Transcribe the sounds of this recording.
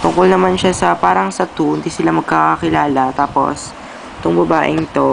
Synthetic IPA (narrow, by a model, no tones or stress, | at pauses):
t̪ʊŋkolnɐmanʃasɐpaːɾɐŋsɐt̪und̪isɪlamɐɡ̚kaːkɐkɪlaːlɐt̪aːpo̞̰s | t̪ʊŋbɐbaːʔɪ̰nɪt̪o̞